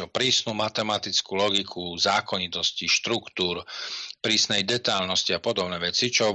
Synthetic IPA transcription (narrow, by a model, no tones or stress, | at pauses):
ɔpɾiːsnumat̪ɛmat̪it͡skulɔɡikʰuzaːkɔɲit̪ɔsciʃt̪ɾukt̪uːɾpɾiːsnɛjd̪ɛt̪ajlnɔsciapɔd̪ɔbnɛːʋɛt͡sit͡ʃɔ